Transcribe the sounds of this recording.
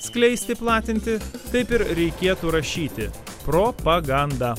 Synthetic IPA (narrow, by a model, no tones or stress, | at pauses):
sklʲɛɪsʲt̪ʲɪplˠɑːt̪ʲɪnʲt̪ʲɪt̪ɐɪpɪɾɾʲɛɪkʲeɛt̪uːɾɐʃʲiːt̪ʲɪ | pɾoːpɐɡɐnd̪ɐː